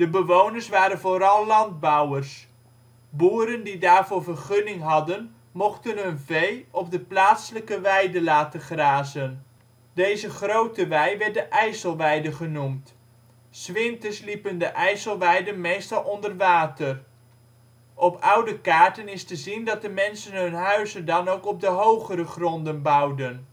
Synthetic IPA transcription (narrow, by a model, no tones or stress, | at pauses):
d̥əbəʋownəɹsʋaːɾənvoːɾɑlˠːɑnd̚bɔwərs | buːɾəndidaːɹvʊːɹvərχʏnɪŋɦɑdən | mɔχtənɦɵnvejɔp̚dəplaːtsələkəʋɛjdəlaːtəχraːzən | dejzəχrowtəʋɛjʋɛrt̚dəʔɛjsəlˠʋɛjdəχənumt | sʋɪntəslipəndəʔɛjsəlˠʋɛjdənmejstɑlˠʔɔndərʋaːtər | ʔɔpʰʌwdəkaːɹtənɪstəzindɑt̚dəmɛnsənɦɵnɦœɥzəndɑnowkɔb̚dəɦowχəɾəχrɔndənbʌwdən